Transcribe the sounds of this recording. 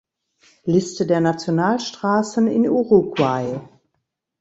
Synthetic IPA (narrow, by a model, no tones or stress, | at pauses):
lɪstədeːɐnat͡sjonaːlʃtʁ̥aːsən̩ɪ̰nʔoʁukwaɪ